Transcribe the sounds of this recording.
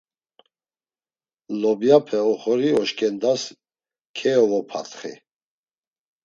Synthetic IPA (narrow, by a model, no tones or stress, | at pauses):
lɔbjapʰɛɔχɔɾiɔʃkʰʼɛnd̪as | kʰɛɔvɔpʰa̰t̪χḭ